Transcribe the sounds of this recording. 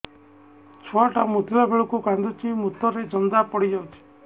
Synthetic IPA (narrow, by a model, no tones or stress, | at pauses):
t͡ʃʰɔaʈamut̪ilabʱeɭɔkuɡand̪ʱɔt͡ʃʰimut̪ːɔɾed͡ʒɔnd̪apɔɽid͡ʒɔt͡ʃʰi̥